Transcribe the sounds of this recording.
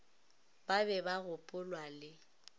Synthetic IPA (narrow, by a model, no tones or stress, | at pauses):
babɛbaɣʊpʼʊlwalɪ